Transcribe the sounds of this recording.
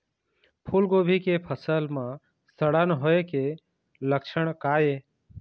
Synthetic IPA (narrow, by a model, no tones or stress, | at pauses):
pʰulɡoːbʱikepʰəsəlmã | st̪əɽanɦoːeke | ləkʃəɽ̃kaːje